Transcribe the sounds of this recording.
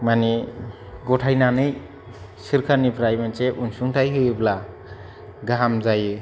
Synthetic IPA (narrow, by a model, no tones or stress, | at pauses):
mani | ɡɔtʰajnanɯj | siɾkʰaɾnipʰɾajmenseʔunsuŋtʰajɦɯjbla | ɡaamzajɯ